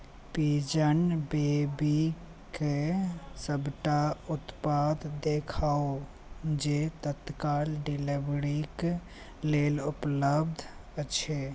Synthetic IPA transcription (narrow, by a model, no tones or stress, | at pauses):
pid͡ʒənbebi | kesəbʱʈaut̪pad̪d̪ekʰao | d͡ʒet̪ət̪kalɖilebɾik | lelupləb̚d̪ʱət͡ʃʰe